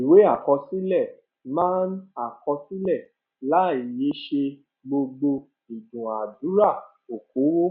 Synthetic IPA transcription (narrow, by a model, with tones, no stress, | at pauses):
i˨we˨˦a˦˨kɔ˧si˦lɛ˦˨ | mãː˦na˦˨kɔ˧si˦lɛ˦˨ | la˨˦˨i˨je˨˦ʃe˧ | ɡ͡bo˧ɡ͡bo˧ | i˨dũ˨a˨dũ˨˦ɾa˦˨ | o˨ko˨˦wo˦